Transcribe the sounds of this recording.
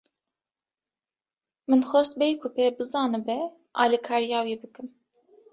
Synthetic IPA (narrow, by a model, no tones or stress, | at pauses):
mɨnxʷɛst̪̚bɛjkʰʊpʰeːbɨzɑːnɨbɛ | ɑ̰ːlikʰɑːɾijɑːwiːbɨkɨm